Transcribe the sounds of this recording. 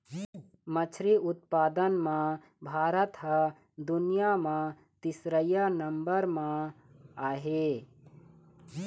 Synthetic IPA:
mət͡ʃʰɾiʊt̪̚paːd̪ənmã | bʱaːɾət̪ɦə | d̪ʊnijamã | t̪ɪsɾəjanəmbəɾmã | aːɦe

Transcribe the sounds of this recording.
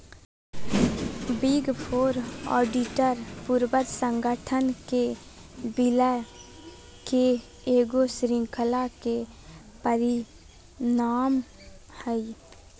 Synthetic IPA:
biɡpʰoːɾɔ̰ːɖiʈəɾpuɾbət̪sə̃ŋɡəʈʰənke | bilɛ | ke | eːɡosɾɪ̃ŋkʰəlake | pəɾi | naːm | həi

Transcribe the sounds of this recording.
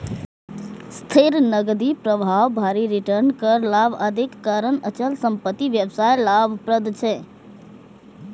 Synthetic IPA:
st̪ʰiɾnəɡd̪ipɾəbʱaʋbʱaɾiɾiʈəɾnkəɾlabʱəd̪ʱikːaɾənət͡ʃəlsəmpət̪ːiʋjəbsajlabʱpɾəd̪t͡ʃʰɛ

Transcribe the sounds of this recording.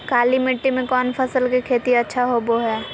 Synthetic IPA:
kaːlimɪʈːimẽkɔːnpʰəsəlkikʰeːt̪iɐtːʃʰaɦoboɦɛː

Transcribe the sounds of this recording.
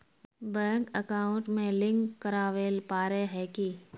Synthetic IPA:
bɛ̃ːŋkəkaːʊɳʈmẽlɪ̃ŋkːəɾaːʋeːlpaːɾeɦɛki

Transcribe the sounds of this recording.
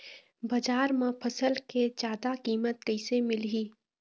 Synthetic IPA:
bɐd͡ʒaːɾmãpʰəsəlked͡ʒjaːd̪akiːmət̪kəɪsemɪlɦiː

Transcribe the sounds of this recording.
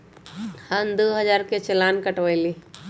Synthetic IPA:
hənd̪oɦəd͡ʒaːɾket͡ʃəlaːnkəʈʋəjli

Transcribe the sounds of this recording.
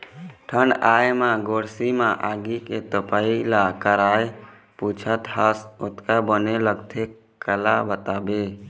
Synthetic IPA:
ʈʰəɳɖaːjmãɡoːɾsimãʔaɡiket̪əpailakəɾaːj | put͡ʃʰət̪ɦasot̪kabəneləɡt̪ʰe | kəlabət̪aːbe

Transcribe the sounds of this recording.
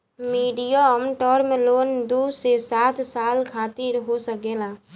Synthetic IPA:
miːɖijaɔmʈɔːɾmẽloːnd̪uːsesaːt̪ʰsaːlkʰaːt̪iɾɦosəkeːlaː

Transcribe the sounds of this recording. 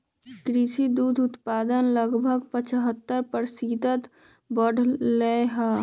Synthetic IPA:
kɾiʃid̪uːd̪ʱʊt̪paːd̪ənləɡbʱəɡpət͡ʃɦət̪ːəɾpəɾsiːt̪ət̪ | bəɽ̤ʱleɦa

